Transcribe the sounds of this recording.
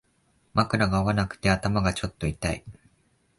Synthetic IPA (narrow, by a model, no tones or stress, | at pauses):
mʔakɯ̟ɾaɡaoβanakɯ̟̥t̪e̞at̪amaɡat͡ɕo̞t̪ːo̞it̪aḭ